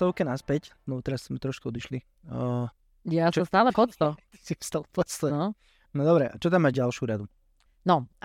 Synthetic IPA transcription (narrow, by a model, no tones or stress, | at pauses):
t̪ɔʊkɛnaspɛcnɔt̪ɛɾasz̥mɛt̪ɾɔʃkuɔd̪iʃli | jast͡ʃst̪aːlɛpɔt̪st̪ɔsifst̪alpɔst̪ɔnɔ | nɔd̪ɔbɾɛʔat͡ʃɔt̪̬amːad͡ʒɟalʃɪuɾad̪u | nɔ